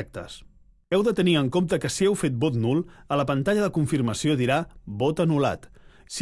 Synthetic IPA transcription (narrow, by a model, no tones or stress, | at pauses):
k̚t̪ə̰s | ɛwðət̪əniəŋkomt̪əkəsiɛwfet̪̚bot̪nulˠələpənt̪aʎəðəkuɱfiɾməsioðiɾaβot̪ənula̰t̪s